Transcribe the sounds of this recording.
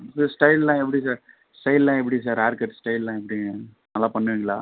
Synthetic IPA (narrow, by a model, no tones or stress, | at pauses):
ssʈɐɪllãːɛp̬ːɐɽisaːɾ | sʈɐɪllãːɛp̬ːɐɽis̬aːɾaːɾkːɐʈːsʈɐɪllãːɛpːɐɽi | nɐlːaːpɐɳːɯʋiːŋɡɐɭaː